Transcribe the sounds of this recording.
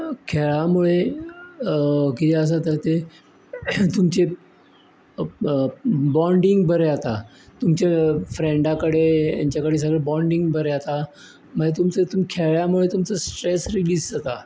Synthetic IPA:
kʰeɭjamuɭe | kit̪ʰɛəs̬at̪əɾt̪e | t̪umt͡se | bɔ̃ɳɖiŋɡbəɾjat̪a | t̪umt͡ɕefɾeɳɖãkəɽea̰ɲt͡ɕjakəɽeːs̬əɡɭebɔɳɖiŋɡbəɾjat̪a | maɡet̪umt͡sət̪umkʰeɭjamuɭet̪umt͡səsʈɾesɾilid͡zd͡zat̪a

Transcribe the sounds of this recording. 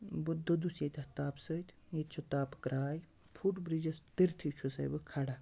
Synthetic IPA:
bud̪od̪usjet̪ʲɐht̪aːpsət̪ʲjet̪t͡ʃʰut̪aːpkɾaːj | pʰuʈbɾid͡ʒɐst̪iɾt̪ʰit͡ʃʰusɐ̰jbɨkʰaɽa

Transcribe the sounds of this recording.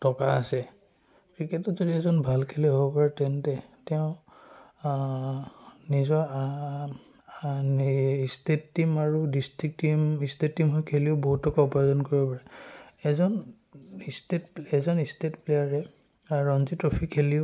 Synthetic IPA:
tɔkaːsɛ | kɹikɛtɔzodiɛzɔnbʱalkʰelɛɦobɔpaɹatɛntɛtɛʊ̃ | nizɔɹ | istetːimaɹudistɹik̚timistettːimɦɔjkʰeliʊboɦutːɔkaupazɔnkoɹibɔpaɹɛɛzɔn | istetpɛzɔnistetplejaɹɛ | ɹɔnzitɹopʰikʰːeliʊ

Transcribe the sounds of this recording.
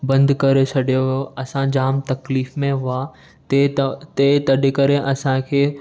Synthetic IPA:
bɐ̃nd̪kɐɾet͡ʃʰɐɗijojoɐsãd͡ʑaːmt̪ɐkliːfmẽɦʊa | t̪et̪et̪ɐɗɪkɐɾeʔɐsãkʰeː

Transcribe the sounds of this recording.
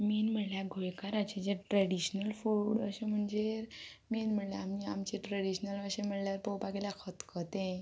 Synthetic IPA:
miːnm̤əɽljaɡʱojkaɾat͡ɕed͡ʑeʈɾəɽiɕnəlfuːɽəɕẽm̤əɳd͡ʑeɾ | miːnm̤əɽljaamiamt͡ɕeʈɾəɽiɕnəlʋəɕẽm̤əɽljaɾpowpaɡelakʰət̪kʰət̪ẽ

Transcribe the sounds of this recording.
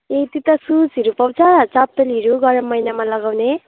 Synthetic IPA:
et̪it̪ʌsut͡siɾupʌwt͡sʰʌt͡sap̪̚ːeliʌɾuɡʌɾʌmːʌjnamalʌɡawne

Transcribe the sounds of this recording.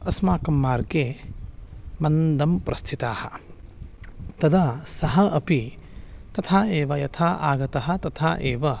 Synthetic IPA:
ɐsmaːkɐmːaːɾɡeː | mɐnd̪ɐmpɾɐst̪ʰit̪aːhɐ̰ | t̪ɐd̪ɐsɐɦɐʔɐpi | t̪ɐt̪ʰaːeːʋɐjɐt̪ʰaːʔa̰ːɡɐt̪ɐɦɐt̪ɐt̪ʰaːʔeːʋɐ

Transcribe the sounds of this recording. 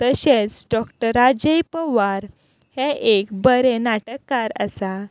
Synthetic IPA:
t̪əɕet͡sɖɔkʈəɾad͡ʑejpəʋaɾ | heʔekbəɾɛnaʈəkːaɾə̰sa

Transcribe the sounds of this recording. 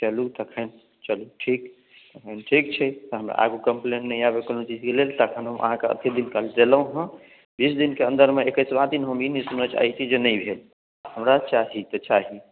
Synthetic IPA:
t͡ʃəlut̪əkʰən | t͡ʃəluʈʰik | t̪əkʰənʈʰikt͡ʃʰɛt̪ɔɦəmɾa̰ʔa̰ɡukəmpleɳʈnəiabekonot͡ʃid͡ʒkelelt̪əkʰənɦəmə̰ɦãkeə̰t̪ed̪inkald̪eləɦə̃ | bisd̪inkeənd̪əɾmeekəsbad̪inɦəminisunət͡ʃa̰ɦit͡ʃʰid͡ʒenəibʱel | həmɾat͡ʃaɦit̪ət͡ʃaɦi

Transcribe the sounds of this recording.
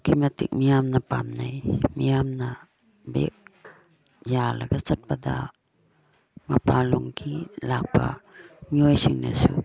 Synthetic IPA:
kimatik̚mijamnapamnajmijamna | bḛk̚ | jalaɡasat̚pada | mapaluŋkʰilak̚pa̰miojsiŋna̰sṵ

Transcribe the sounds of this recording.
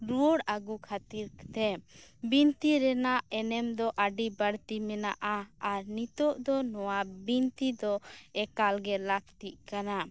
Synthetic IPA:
ɾuɔɽaɡukʰat̪iɾt̪ɛbint̪iɾɛnaʔɛnɛmd̪ɔʔaɖibəɽt̪imɛnaʔaːɾnit̪ɔʔd̪ɔnɔwabint̪id̪ɔɛkalɡɛlak̚t̪iʔ̚kana

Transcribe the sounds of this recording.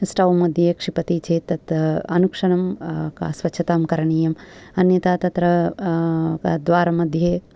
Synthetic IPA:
sʈɐʋɐmɐd̪ʱjeːkʂipɐt̪it͡ʃʰeːt̪ɐt̪ɐnukʂɐɳɐmːsʋɐtːt͡ʃʰɐt̪aːmkɐɾɐɳiːjɐmɐnjɐt̪aːt̪ɐt̪ɾɐ | d̪ʋaːɾɐmɐd̪ʱjeː

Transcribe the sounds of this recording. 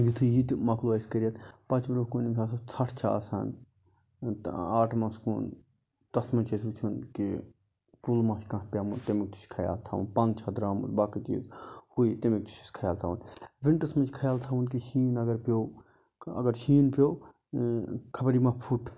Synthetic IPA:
jut̪ʰujit̪mɐkʰluɐiskɐɾijɐt̪pɐt͡ʃʰbɐɾukunimkʰʲaːs̬ɐt͡sʰɐʈʰt͡ʃʰa̰ːsa̰ːn | aːʈʰmɐ̃skṵːn | t̪ɐsmɐnt͡ʃʰes̬ɾut͡ʃʰunki | pulmãːʃkãːɦpʲjaːmunt̪emik̚t̪ʰu̥ʃkʰɐja̰ːlt̪ʰa̰ːʋṵnpɐ̃nt͡ʃʰɐd̪ɾaːmṵt̪baːkit͡ʃḭːzhuit̪emik̚t̪ʰu̥ʃi̥skʰɐjaːlt̪ʰaːʋunʋinʈɐsmɐnt͡ʃʰkʰɐjaːlt̪ʰaːʋunkiʃiːnɐɡɐɾpʲjoː | ɐ̰ɡɐɾʃʰiːnpʲjoː | kʰɐbɾimãpʰuʈ

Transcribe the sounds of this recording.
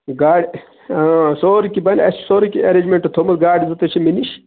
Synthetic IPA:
ɡaːɽ | soːɾikibɐnɐ̰si̥soːɾikiɐɾeːd͡ʒmeɳʈɐt̪ʰoːmɐt̪ɡaːɖizɐt̪ɐt͡ʃʰiminiʃ

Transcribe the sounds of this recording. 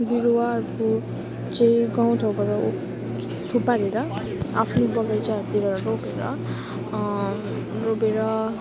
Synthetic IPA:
biɾowaʌɾuko | t͡saĩɡaw̃tʰawbʌɾʌo | ʈʰupaɾeɾʌ | apʰnubʌɡajt͡sat̪iɾʌɾʌɾobeɾʌ̰ | robeɾʌ

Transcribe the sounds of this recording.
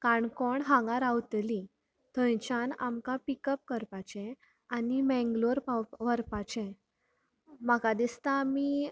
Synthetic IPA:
kaɳkɔɳɦãŋɡaɾawt̪li | t̪ʰə̃jt͡ɕana̰mkapikəp̚kəɾpat͡ɕɛ̃ | animɛ̃ŋɡloɾpaʋəɾpat͡ɕɛ̃ | məkad̪ist̪ami

